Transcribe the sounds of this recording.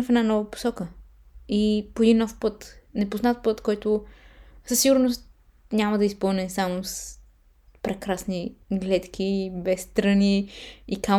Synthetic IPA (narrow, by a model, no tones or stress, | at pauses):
fɛd̪nanɔvəpo̥sɔkə | ipoɛd̪inːɔfpɤt̪nɛpoznat̪̚pɤt̪kɔjt̪ʊ | səsiɡʊɾnost̪ | nʲaməd̪ɐispɤlˠnɛsamos | pɾɛkɾasniɡlɛt̪k̟ibɛsːt̪ɾəniːka